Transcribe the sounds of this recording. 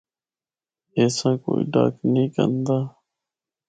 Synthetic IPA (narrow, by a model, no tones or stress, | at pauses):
eːsãːkoːḭːɖa̰ːknĩːkə̰nd̪aː